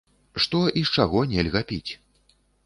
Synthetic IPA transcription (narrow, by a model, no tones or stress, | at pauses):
ʂt̪ɔʔist͡ʂaɣɔnʲɛlʲɣɐpʲit͡sʲ